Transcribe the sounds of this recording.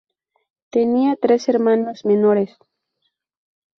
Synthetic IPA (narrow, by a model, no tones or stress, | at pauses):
t̪eniat̪ɾeseɾmanozmenoɾes